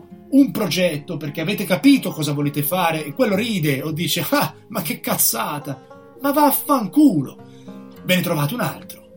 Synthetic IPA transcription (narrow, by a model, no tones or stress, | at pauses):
umpɾod͡ʒɛt̪ːoperk̟eaveːt̪ekapiːt̪okɔːzavoleːt̪efaːɾeːkːwelːoɾiːd̪eod̪ːiːt͡ʃeamak̟ːekːat̪sːaːt̪a | mavaːfːaŋkuːlo̰ | bɛːnet̪ɾovaːt̪ouna̰lt̪ɾo̥